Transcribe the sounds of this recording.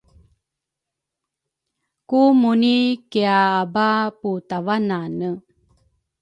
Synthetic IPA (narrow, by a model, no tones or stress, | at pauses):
kumunikeaːbaput̪avananə